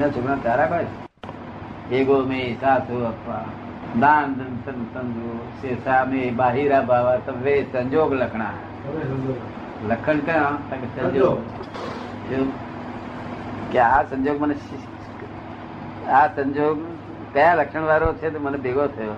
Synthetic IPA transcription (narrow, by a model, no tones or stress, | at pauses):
nãːt͡ʃʰʊkɽãːt̪aːɾaːkoːes | eːɡoːmẽːsaːsʰoːɐpːãː | d̪aːnd̪ənsənsənd͡ʒoːseːsaːmẽːbaːɦiːɾaːbʱaːʋaːt̪ɐʋeːsəɲd͡ʒoːɡləkʰɽaːɦe | ləkʰəɳkəjõːt̪ɐksɐ̃d͡ʒoːɡ | d͡ʒoː | kaːsə̃ɲd͡ʒoːɡmən | aːsəɲd͡ʒoːɡ | kəjãːləkʃəɳ̃ʋaːɾoːt͡ʃʰeːt̪ɐmənbeːɡoːt̪ʰɐjoː